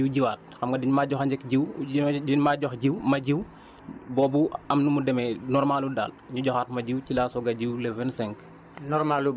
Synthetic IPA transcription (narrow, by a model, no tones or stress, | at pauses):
iwɟiwaːt̚xɐmɡɐdiɲmaːɟɔxaɲd͡ʒɛkɟiwinmaɟɔxɟiwmɐɟiw | bɔːbuɐmnumudɛmɛnɔɾmaːluda̰ːl | ɲuɟɔxaːt̚mɐɟiwcilaːsɔɡɐɟiwlɛvɛnsɛŋk | nɔɾmalu